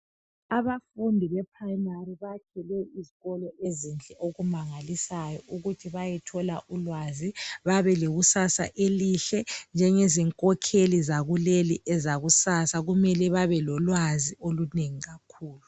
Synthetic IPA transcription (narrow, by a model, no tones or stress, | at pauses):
aβafundʱiβɛpʰraimariβakʰɛlɛiziɣɔlɔʔezint͡ɬʼɛʔoɣumaŋalisajɔuɣutʰiβajɛtʰɔlaʔulwaziβaβɛleɣusasa̰ʔeliɬɛnd͡ʒʱɛŋeziŋkʼɔkʰelizaɣuleliʔɛzaɣusasaɣumɛlɛβaβɛlɔlwazioluneŋiɣakʰuːlu